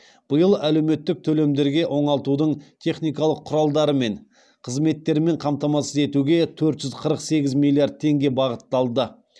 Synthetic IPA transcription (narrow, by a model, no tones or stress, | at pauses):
b̥əjəlˠæle̞wme̞t̪ːɪk̚t̪ʰɵle̞md̪e̞ɾɡʲe̞ʔo̞ɴɑlˠt̪ud̪əɴt̪ʰe̞χnijkɑlˠəqʰːʊɾɑlˠd̪ɑɾəme̞ɴ | qʰəzme̞t̪ːe̞ɾme̞ɴqʰɑmt̪ɑmɑsəze̞t̪uɡʲe̞t̪ʰɵɾt̪ʒ̥ʏzqʰəɾəqse̞ɡʲɪzmʲilʲˠiard̪̚t̪ʰe̞ŋɡʲe̞bɑʁət̪ːɑlˠd̪ə